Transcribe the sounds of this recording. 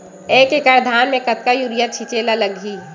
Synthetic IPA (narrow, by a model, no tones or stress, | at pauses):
eːkekəɾd̪ʱaːnmẽkɐt̪̚kajuɾijat͡ʃʰit͡ʃelaləɡʱi